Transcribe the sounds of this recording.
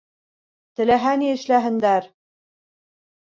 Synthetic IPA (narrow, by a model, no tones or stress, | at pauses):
t̪ɘ̆læɦæniɘ̆ʃlæɦɘ̆nd̪æɾ